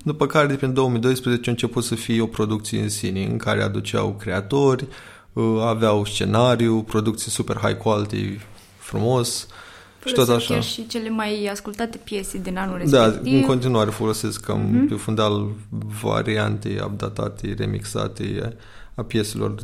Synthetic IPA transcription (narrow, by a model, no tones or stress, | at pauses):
d̪upəkaɾepend̪o̞omijd̪o̞jspɾezet͡ʃeɨnt͡ʃeput̪səfio̞pɾo̞d̪uk̚t̪sije̞̰ɨnsineɨ̰ŋkaɾe̞a̰d̪ut͡ʃea̰wkɾe̞at̪o̞rʲ | əaveawst͡ʃe̞̰naɾijupɾo̞d̪uk̚t̪sijsupe̞rɦa̰jkualt̪ḛ | fɾumo̞s | ʃi̥tt̪ot̪aʃa̰ʃit͡ʃelemajaskult̪at̪epjesed̪inanuled̪aɨŋko̞nt̪inuaɾe̞fo̞lo̞se̞ska̰mpefund̪alva̰ɾia̰nt̪ḛja̰b̚d̪at̪a̰t̪ḛre̞̰mḭksa̰t̪ḛ | apje̞t̪selo̞̰r